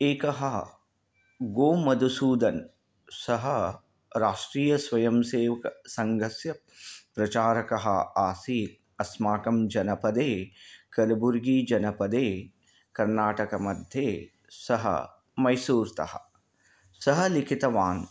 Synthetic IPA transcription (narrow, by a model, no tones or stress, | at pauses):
eːkɐɦɐ | ɡoːmɐd̪ʱusuːd̪ɐn | sɐɦɐ | ɾaːʂʈɾiːjɐsʋɐjɐmseːʋɐkɐsɐŋɡʱɐsjɐ | pɾɐt͡ʃaːɾɐkɐɦɐ̰aːsiː | ɐsmaːkɐmd͡ʒɐnɐpɐd̪eːkɐlɐbuɾɡiːd͡ʒɐnɐpɐd̪eː | kɐɾnaːʈɐkɐmɐd̪ʱjeː | sɐɦɐ̰ | mɐjsuːɾt̪ɐ̰hɐ̰̆ | sɐɦɐ̆likʰit̪ɐʋaːn